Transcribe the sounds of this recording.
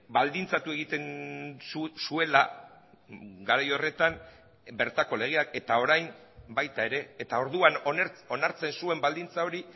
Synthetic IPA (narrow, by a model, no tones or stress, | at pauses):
bald̪int͡sat̪ue̞ɣ̞it̪e̞nsusue̞la | ɡaɾajo̞re̞t̪am | be̞ɾt̪ako̞le̞ɣ̞eake̞t̪ao̞ɾajm | bajt̪ae̞ɾe̞ːt̪ao̞ɾðuano̞naɾt͡se̞nsue̞mbald̪int͡sao̞ɾi